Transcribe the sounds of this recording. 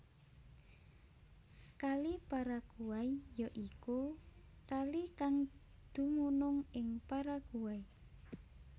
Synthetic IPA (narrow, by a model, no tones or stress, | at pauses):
kalipaɾakuwaijɔʔiku | kalikaŋ | d̪̥ṳmunʊŋɪŋpaɾakuwai